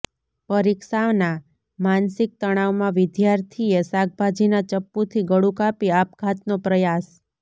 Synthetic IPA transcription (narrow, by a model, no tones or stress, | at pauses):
pəɾiksaʋna | mansɪk̚t̪əɽ̃aʋmãʋɪd̪jaɾt̪ʰiesak̚bʱad͡ʒinat͡ʃəpːut̪ʰiɡəɽukapiapkʰat̪nopɾəjas